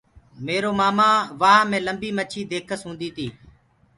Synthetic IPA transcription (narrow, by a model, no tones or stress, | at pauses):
meːɾoːmaːmãːʋaːmẽːləmbiːmət͡ʃʰiːd̪eːkʰəsɦũːnd̪iːt̪ʰiː